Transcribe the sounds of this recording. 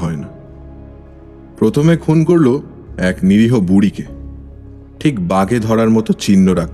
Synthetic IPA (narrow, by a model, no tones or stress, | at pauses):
ɦɔena | pɾot̪ʰomekʰunkoɾlo | ɛkniɾiɦobuɽike | ʈʰikbaɡed̪ʱɔɾaɾmɔt̪ot͡ɕinːoɾak̪̚